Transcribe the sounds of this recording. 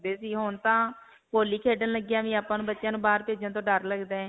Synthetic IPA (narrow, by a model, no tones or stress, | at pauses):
d̪eːsiːɦoːnt̪ãː | poːliːkʰeːɖənləɡɪjaːʋĩːaːpãːnũːbətːʃjãːnũːbaːɾpeːd͡ʒãːt̪̬õːɖəɾləɡd̪ẽː